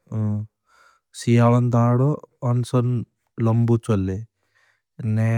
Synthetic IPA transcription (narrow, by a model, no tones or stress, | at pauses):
sijaʋɐnt̪aːɽoɐnsɐn | lɐmbut͡ʃolːe | ne